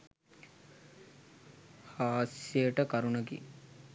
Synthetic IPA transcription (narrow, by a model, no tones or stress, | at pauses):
haːsjeəʈəkaɾunəɡḭ